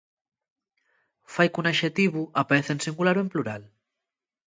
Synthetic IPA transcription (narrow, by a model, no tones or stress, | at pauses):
fajkunaʃet̪iβuʔapaeθensiŋɡulaɾuempluɾal